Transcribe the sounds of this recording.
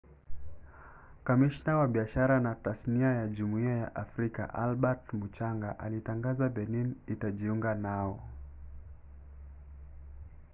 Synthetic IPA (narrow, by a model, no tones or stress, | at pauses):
kamiʃnawaɓiaʃaɾanatasniajaʄumuiaja̰ʔafɾika̰ʔalɓatmut͡ʃaŋɡaʔalitaŋɡazaɓɛninitaʄiuŋɡanaɔ